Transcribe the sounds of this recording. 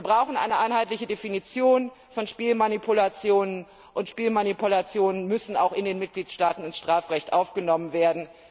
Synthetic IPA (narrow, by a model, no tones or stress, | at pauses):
viːɐbʁaʊxn̩ʔa̰ɪnəʔaɪnɦaɪtlɪçədefinit͡sjoːn | fɔnʃpiːlmanipʰulat͡sjoːnən | ʔʊntʃpiːlmanipulat͡sjoːnənmʏsn̩a̰ʊxɪndeːnmɪt̚ɡ̥liːtʃtaːtn̩ɪnsʃtʁ̥aːfʁɛçtʔaʊfɡ̥ənɔmənveːɐdn̩